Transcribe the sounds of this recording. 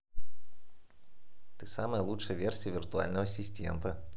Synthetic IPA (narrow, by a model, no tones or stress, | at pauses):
t̪ɨsaməjəlˠutʂəjəvʲersʲɪjəvʲɪrt̪ʊa̰lʲnəvəsʲɪsʲtʲḛnt̪ə